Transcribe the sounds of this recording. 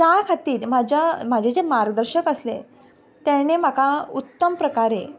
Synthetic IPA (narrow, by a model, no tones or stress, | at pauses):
t͡ɕjakʰat̪iːɾmad͡ʑʱam̤ad͡ʑʱed͡zemaɾɡd̪əɾɕəkəslḛ | t̪ɛɽ̃em̤akaut̪ːəmpɾəkaɾe